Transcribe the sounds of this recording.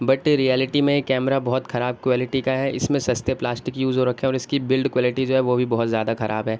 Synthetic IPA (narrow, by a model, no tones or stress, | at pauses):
bɐʈɾijɛːlɪʈimẽekːɛːmɾabɔɦʊt̪xɐɾaːb̚kwaːlɪʈikaɦɛʔɪ̰smẽsɐst̪eplaːsʈɪkjuːzoɾɐkʰːẽɔːɾɪskibɪlɖkwaːlɪʈid͡ʒoːɦɛʋobʱibɐɦʊt̪zjaːd̪axɐɾʔa̰ːbɦɛː